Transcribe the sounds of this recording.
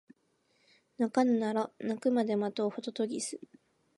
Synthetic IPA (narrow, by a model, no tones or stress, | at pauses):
nakanɯnaɾonakɯ̟mad̪e̞mat̪oːhot̪ot̪oɡʲisɨ